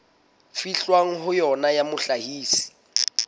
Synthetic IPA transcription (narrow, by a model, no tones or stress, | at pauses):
fiɬwaŋ̩ɦʊjɔnajamʊɬahiːsi̥